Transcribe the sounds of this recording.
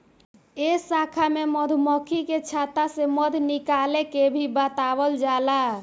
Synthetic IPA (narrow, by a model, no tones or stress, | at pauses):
esakʰameməd̪ʱməkʰiket͡ʃʰat̪aseməd̪ʱnikalekebʱibət̪abəld͡ʒala